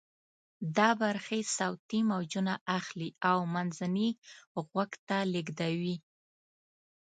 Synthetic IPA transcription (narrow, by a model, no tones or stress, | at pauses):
d̪ɑbaɾxesawt̪imawd͡ʒunaʔaxliawmanzaniɣwaɡt̪alɪɡd̪awi